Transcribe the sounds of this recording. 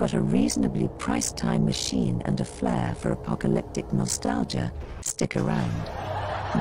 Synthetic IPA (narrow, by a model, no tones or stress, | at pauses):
b̥ʌɾɨɹiznɨblipʰɹ̥aɪstʰãɪ̃mːɨʃĩnɨ̰̃nɨflɛfə˞əpʰɑkɨlɪp̚tɨk̚nɑstalˠd͡ʒə̰ | stɪkə˞ãʊ̃nd̥